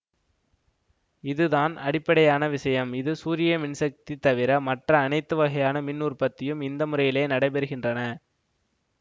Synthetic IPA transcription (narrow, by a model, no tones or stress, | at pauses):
ɪðɯðaːnɐɽɪpːɐɽɐjaːnɐʋɪsɐjɐmɪðɯsuːɾɪjɐmɪnsɐk̚t̪it̪ːɐʋɪɾɐmɐʈrɐːnɐɪt̪ːɯʋɐɣɐjaːnɐmɪnːuːrpɐt̪ːɪjɯmɪnd̪ɐmɯrɐjɪleːnɐɽɐɪbɛɾɯɣɪndrɐnɐ